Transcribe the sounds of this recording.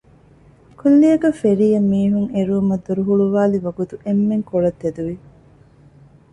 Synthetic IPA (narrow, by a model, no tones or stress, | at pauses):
kulːijɐɡɐfeɾijɐmːiːɦuŋeɾuːmɐd̪uɾuɦuɭuʋaːliʋɐɡut̪uemːeŋkoɭɐt̪ːed̪uʋi